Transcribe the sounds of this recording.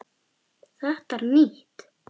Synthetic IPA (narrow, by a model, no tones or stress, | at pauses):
θɛht̪aɾmiht̪